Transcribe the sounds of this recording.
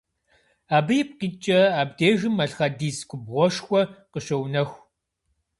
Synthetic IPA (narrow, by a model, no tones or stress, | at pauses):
aːbɨjɪp̚ʷʼqiːt͡ʃʼɐaːb̚deːʒɪmɐɬxɐdiːskʷʼʊbʁʷɔʂxʷɔqəʃɐwnɐxʷ